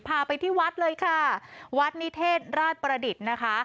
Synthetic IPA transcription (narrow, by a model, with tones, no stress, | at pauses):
pʰaː˧pa˧jt̪ʰiː˥˩wa˦˥t̪̚lɤː˧jkʰa˥˩wa˦˥t̪̚ni˦˥t̪ʰeː˥˩t̪̚ɾaː˥˩t̪̚pɾa˧di˨˩t̪̚na˦˥kʰa˦˥